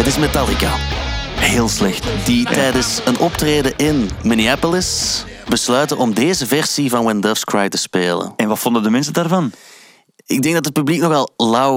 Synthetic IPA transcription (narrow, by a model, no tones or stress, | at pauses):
ətɪsmetɑlˠika̰ | heːlˠslɛxtditɛjdəsənʔɔptreːdəʔɪnmɪniapolɪsbəslœːɥtəʔɔmdeːzəvɛrsivɑnwɛndəfskɹajtə̥speːlə̰nɛnʋɑtfɔndədəmɛns̬ədaːrvɑn | ɪɡ̚dɛŋɡ̚dɑtɦət̚pybliknɔxʋɛlˠlɑw